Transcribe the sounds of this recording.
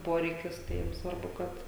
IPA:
ˈpoːrʲɛɪkʲɪs tɐɪ jiɛm ˈsʋɐrbʊ ˈkɐt

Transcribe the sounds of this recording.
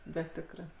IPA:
ˈbʲɛt ˈtʲɪkrɜ

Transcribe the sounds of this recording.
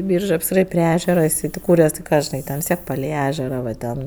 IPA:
ˈbʲiːrʒɜ ˈjɪs ˈiːrɐ pʲrʲɪ ˈæːʒʲɛrɐ ɪˈsɐɪ tʲeːˈkuːrʲɛs tʲɪ ˈkɑː ʒʲɪˈnɐɪ ˈtʲɛn ʋʲɪs ˈtʲiɛk pɐlʲɛɪ ˈæːʒʲɛrɐ ʋɐ ˈtʲɛn

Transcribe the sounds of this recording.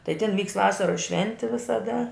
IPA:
tɐɪ tʲɪn ˈʋʲiːkst ˈʋɑːsɐroːs ˈʃʲʋʲɛnʲtʲɪ ʋʲɪsɐˈdɐ

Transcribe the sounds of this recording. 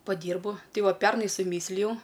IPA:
pɐˈdʲiːrbʊ ˈtɐɪ ˈʋɐ ˈpʲɛrnɐɪ sʊˈmʲiːsʲlʲɪjɛʊ

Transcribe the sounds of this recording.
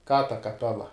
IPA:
kɑː tɐ kɐˈpʲæːlˠɐ

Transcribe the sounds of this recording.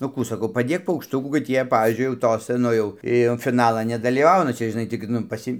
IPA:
nʊ ˈkuː sɐˈkɐʊ pɐˈdʲeːk pɐʊkʃˈtʊkuː kɐt ˈjiɛ ˈpɑːʋʲiːzʲd͡ʒʲʊɪ jɛʊ ˈtoːsɐ ˈnʊ jɛʊ ˈɪ jɛʊ fʲɪˈnɑːlˠɐn nʲɛdɐlʲiːˈʋɐʊnɐ ˈt͡ʃʲɛ ʒʲɪˈnɐɪ tʲɪk ˈnʊ pɐˈsʲɪ

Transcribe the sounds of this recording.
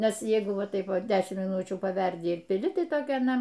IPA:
ˈnʲɛs ˈjɛɪɡʊ ˈʋɐ ˈtɐɪp ˈʋɐ ˈdʲæːʃʲɪmt mʲɪˈnʊt͡ʃʲuː pɐˈʋʲɛrʲdʲɪ ɪr pʲɪˈlʲɪ ˈtɐɪ ˈtoːkʲɛ ɐˈnɐ

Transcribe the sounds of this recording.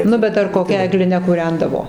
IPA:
ˈnʊ bʲɛt ɐr koːˈkʲɛ ɛɡlʲɪˈnʲɛ kʊˈrʲɛndɐʋoː

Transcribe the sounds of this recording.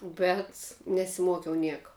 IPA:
bʲɛt nʲɛsʲɪˈmuɔkʲɛʊ ˈnʲiɛkɐ

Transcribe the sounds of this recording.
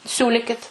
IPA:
ˈsʲuːlʲɪkʲɪt

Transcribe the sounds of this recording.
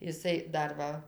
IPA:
ɪˈsɐɪ ˈdɐr ˈʋɐ

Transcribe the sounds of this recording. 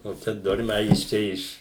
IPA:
nʊ ˈt͡ʃʲɛ ˈdoːrʲmʲɛɪ ɐ ˈjɪs ɪʃ ˈt͡ʃʲɛ ˈɪʃ

